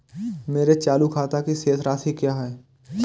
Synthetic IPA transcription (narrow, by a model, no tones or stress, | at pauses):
meːɾet͡ʃaːlukʰaːt̪akiseːt̪ʰɾaːt̪ʰɦikjaːɦɛː